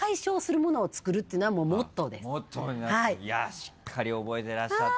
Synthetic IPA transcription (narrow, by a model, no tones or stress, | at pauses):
aiɕo̞ːsɨɾɯ̟mo̞no̞ːt͡sɨ̥kɯ̟ɾɯt̪ːeɯnoβamoːmo̞t̪ːo̞d̪e̞st̪ːohaijaɕi̥kʰːaɾʲiobo̞et̪e̞ɾaɕa